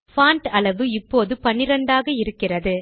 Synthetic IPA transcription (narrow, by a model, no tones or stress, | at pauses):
faːɳʈɐlɐʋɯɪpːoːðɯpɐɳːɪɾɐɳɖaːɣɐɪɾɯkːɪrɐðɯ